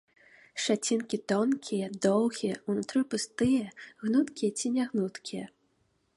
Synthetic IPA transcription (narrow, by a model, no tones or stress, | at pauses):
ʂat͡sʲinkʲit̪ɔnkʲʰijɐd̪ɔwɣʲijɐunut̪ɾɨpɨst̪ɨjɐɣnut̪kʲijɐt͡sʲinʲaɣnut̪kʲijɐ